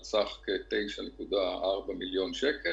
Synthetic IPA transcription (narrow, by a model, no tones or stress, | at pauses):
t͡saχket̪e̞jʃanekud̪aʔaʁbamiljo̞nʃeke